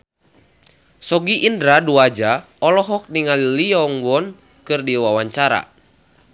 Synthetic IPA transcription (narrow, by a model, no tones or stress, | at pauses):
sɔɡiʔindɾaduad͡ʒa | ɔlɔɦɔk̚niŋaliliɔŋwɔn | kɨrdiwawaɲt͡ʃaɾa̰